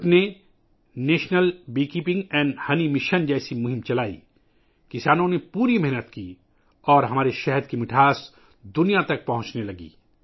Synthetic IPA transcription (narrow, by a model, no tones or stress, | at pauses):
pne | neːʃnəlbiːkiːpɪ̃ŋɡɛ̃ːɳɖhɐnimɪʃənd͡ʒɛːsimʊɦɪ̃mt͡ʃɐlaːḭ | kɪsaːnõnepuːɾimɛɦnət̪kiː | ɔːɾɦɐmaːɾeʃɛɦəd̪̚kimɪʈʰaːs | d̪ʊnijat̪ɐk̚pɐɦʊ̃t͡ʃnelɐɡḭː